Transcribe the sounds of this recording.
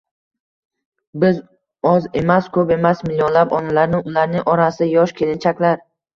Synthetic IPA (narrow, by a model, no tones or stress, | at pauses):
bɪz | ɒze̞maskʰɵpe̞masmɪlːjonlapɒnalaɾnɪʊlaɾnɪŋʔɒɾasɪjɒʃkʲʰe̞lɪnt͡ʃʰakʲlaɾ